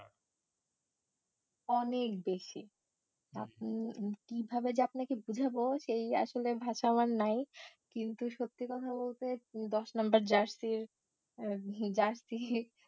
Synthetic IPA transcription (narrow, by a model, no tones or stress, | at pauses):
ɔnekbeʃi | a | kibʱabed͡ʑeapnakebud͡ʑʱaboʃeja̰ʃolebʱaʃamaɾnajkint̪uʃot̪ːikɔt̪ʰabolt̪ed̪ɔʃnambaɾd͡ʑaɾsiɾ | d͡ʑaɾsi